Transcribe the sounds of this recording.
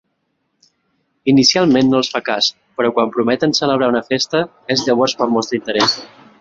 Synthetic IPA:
inisialˠmenːoəlˠsfakas | pəɾɔkwampɾumɛt̪ənsələβ̞ɾaunəfest̪ə | ezʎəβ̞ɔɾzpəmɔst̪ɾint̪əɾɛs

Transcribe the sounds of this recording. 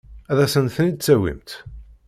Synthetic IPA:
æðæsənθənid̪̚t͡sːæwḭmt̪

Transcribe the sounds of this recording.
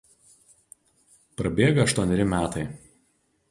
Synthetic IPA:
pɾɐbʲeːɡɐɐʃt̪uɔnʲɪɾʲɪmʲæːt̪ɐɪ

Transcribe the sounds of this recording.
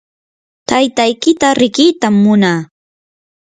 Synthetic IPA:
t̪ajt̪ajkɪt̪aɾɪkɪt̪amːʊnaː

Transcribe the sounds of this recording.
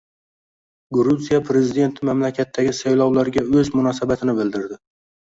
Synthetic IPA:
ɡɾuzijapʰɾe̞zɪd̪e̞nt̪ʰɪmamlakʲʰat̪ʰːaɡʲɪsajlˠɒwlaɾɪɡʲaɵzmʊnɒsabat̪ʰɪnɪbɪld̪ɪɾd̪ɪ

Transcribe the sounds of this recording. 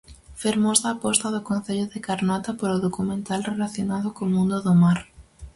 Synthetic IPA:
feɾmozðaːpɔst̪ɐðʊkõnθeʎʊðɪkaɾnɔt̪ɐpoɾʊðokumẽnt̪alrelaθjonaðʊkomũnd̪ʊðʊmaɾ

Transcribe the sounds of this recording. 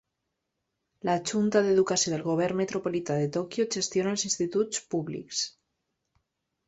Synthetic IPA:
lat͡ʃunt̪aðeðukasjoðelɣ̞oβ̞eɾnmet̪ɾopolit̪aðet̪okjot͡ʃe̞st̪jonaelsinst̪it̪ut̪spuβlḭks

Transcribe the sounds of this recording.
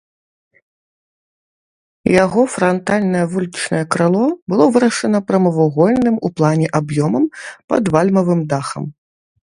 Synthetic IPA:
jaɣɔfɾɐnt̪alʲnɐjɐvulʲit͡ʂnɐjɛkɾalˠɔbɨlˠɔvɨɾɐʂɐnɐpɾɐmɐvuɣɔlʲnɨmuplˠanʲɛʔabjɔmɐmpɐ̰d̪valʲmɐvɨmd̪axɐ̰m

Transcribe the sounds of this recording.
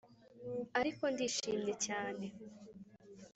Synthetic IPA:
aɾiko̞ndiːʃiːmɲe̞caːne

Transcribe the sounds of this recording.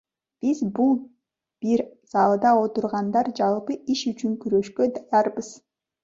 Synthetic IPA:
b̥izbulˠ | b̥iɾsɑlˠd̪ɑo̞t̪uɾʁɑnd̪ɑɾd͡ʒɑlˠpɯiʃyt͡ʃyŋkyɾø̞ʃkød̪ɑjɑɾbɯz̥

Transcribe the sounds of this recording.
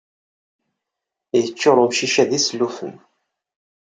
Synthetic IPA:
jət͡ʃːoɾˤomʃiʃæðislːufə̰n

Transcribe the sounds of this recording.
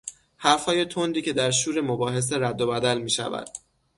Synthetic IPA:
hæɾfhɒːje̞t̪ʰond̪iːcʰe̞d̪æɾʃuːɾe̞mobɒːɦe̞s̬eɾæd̪ːobæd̪ælmiːʃæ̰væ̰d̪̥̚

